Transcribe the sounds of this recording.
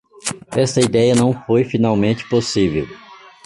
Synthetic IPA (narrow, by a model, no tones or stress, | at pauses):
ɛst̪ɐid̪ɛjɐnɐ̃w̃fojfinawmẽnt͡ʃɪ̥posivḛw